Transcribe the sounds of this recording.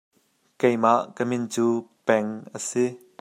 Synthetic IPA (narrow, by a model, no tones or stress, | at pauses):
kejmaʔkəmɪnt͡suːpɛŋʔəsi